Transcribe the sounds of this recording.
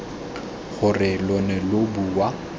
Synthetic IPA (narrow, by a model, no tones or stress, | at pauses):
ɣʊrɪlɔnɛlobuwa